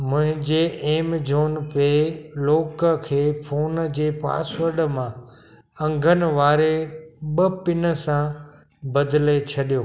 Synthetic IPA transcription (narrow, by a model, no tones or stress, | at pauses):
mʊ̃ɦɪ̃d͡ʑeːeːmd͡ʑʱoːnpeloːkəkʰeːpʰoːnd͡ʑeːpa̰ːsʋəɾɖəmã | ɐ̃ŋɡʱənɪ̆ʋaːɾeɓəpɪnə̆sã | bɐd̪ʱlet͡ɕʰɐɗijoː